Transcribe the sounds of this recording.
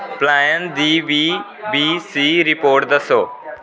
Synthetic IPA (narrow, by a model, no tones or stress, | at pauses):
plaːjənd̪iːʋiː | biːsiːɾɪpoːɾʈ̚d̪ɐsoː